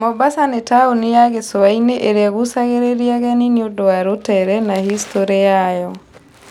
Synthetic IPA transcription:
mɔbasanetaonejaɣesoaineʔeɾeaɣosaɣeɾeɾiaɣɛniniodoaɾotɛɾɛnahistoɾejajɔ

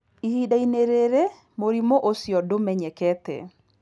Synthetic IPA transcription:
ihidaineɾeɾe | moɾimoʔosjɔdomɛɲɛkɛtɛ̰

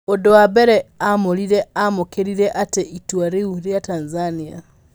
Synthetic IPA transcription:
odoabɛɾɛamoliɾɛamokeɾiɾeʔateʔitwaɾeuɾjatanzania̰

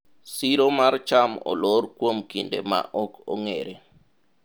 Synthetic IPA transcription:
siɾomart͡ʃamɔ̰loɾkwomkindḛma̰ʔɔkʰɔ̰ŋeɾe

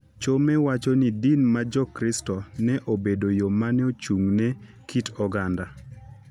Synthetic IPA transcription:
t͡ʃomɛwat͡ʃɔnidinmad͡ʒɔkɾɪstɔnɛʔobedojomanɛot͡ʃuŋne | kʰitɔɡanda

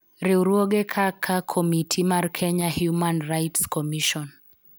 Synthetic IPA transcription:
ɾiuɾuɔɡɛkʰakʰakʰɔmitʰimaɾkʰɛɲahjumanrajtskɔmiʃɔn

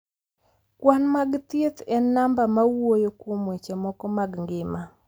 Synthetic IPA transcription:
kwanmaɡt̪jet̪ɛnambamawojokwomwet͡ʃemɔkɔmaɡŋɡɪma

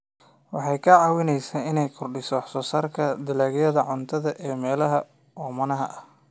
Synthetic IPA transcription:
wɑħɑjkʰɐʕɑːwɪnɛjsaːɪnɛjkʰʊrɖɪsɔːħsɔːsɐrkʰɐd̪ɪlaːɡjɐðɐʕʊnt̪ʰɐðɐʔɛːmɛːlɐɦɐ | ɔːmɐnɐɦɐʔɐh

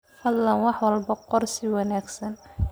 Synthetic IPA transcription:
hɐd̪lɐnwɑħwɑlbɐqɔrsɪwɑnaːɡsɐn

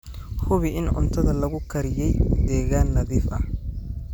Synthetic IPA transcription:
hʊβɪʔɪnʊ̰nt̪ʰɐðɐlɐɣʊkʰɐɾɪjɛjd̪ɛːɣaːnːɐðiːfɐ̰h

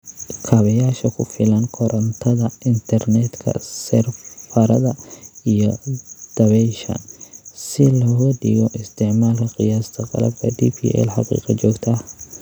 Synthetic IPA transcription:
kʰaːβɐjaːʃɐkʰʊfɪlɐnkʰɔɾɐnt̪ʰɐðɐʔɪnt̪ʰɐrnɛd̪kʰɐ̰sɛrfɐɾɐðɐijɔd̪̥ɐβɛjʃɐ̰nsɪlɔːɣɐɖɪɣɔʔɪst̪ʰɛʕmaːlkʰɐqɪjaːst̪ʰɐqɑ̰lɐ̰b̚kʰɐd̪ḭːpʰḭʔɛ̰lħɑqḭːqɑt͡ʃɔːɡt̪ʰɐ

